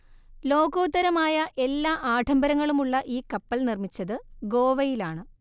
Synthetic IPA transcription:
lo̞ːɡoːt̪ːɐɾɐmaːjɐʔe̞lːaːʔaːʈʰɐmbɐɾɐŋːɐɭumuɭːɐʔiːkɐpːɐlnirmit͡ɕːɐðɨɡo̞ːʋɐjilaːɳɨ

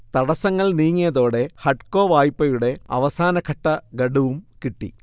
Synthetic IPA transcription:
t̪ɐɽɐsɐŋːɐɭniːŋːijɐðo̞ːɽe̞hɐʈko̞ːʋaːjpːɐjuɽe̞ɐ̰ʋɐsaːnɐkʰɐʈːɐɡɐɽuʋumkiʈːḭ

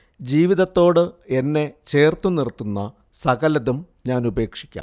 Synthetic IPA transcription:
d͡ʑiːʋiðɐt̪ːo̞ːɽɨe̞nːe̞t͡ɕe̞ːrt̪unirt̪ːunːɐ | sɐɡɐlɐðum | ɲaːnube̞ːkʂi̥kʲːa̰ːm

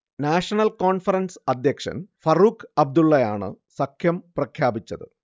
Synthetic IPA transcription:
naːʂɐnɐlkoːɳfɐɾɐnsɐd̪jɐkʂɐ̰nfɐruːkʰɐb̚d̪uɭːɐjaːɳɨ̰ | sɐkʰjɐmprɐkʰjaːbit͡ɕːɐðɨ

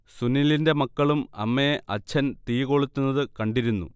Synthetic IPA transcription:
sunːilinde̞mɐkːɐɭumɐ̰mːejeʔɐt͡ɕʰːɐnt̪ijɣo̞ɭut̪ːunːɐðɨkɐɳɖiɾunːṵ

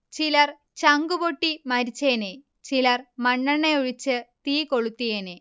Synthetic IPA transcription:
t͡ɕilɐr | t͡ɕɐŋɡuboʈːimɐɾit͡ɕːeːne | t͡ɕilɐrmɐɳːɐɳeuɻit͡ɕːɨt̪iːkoɭut̪ːijene

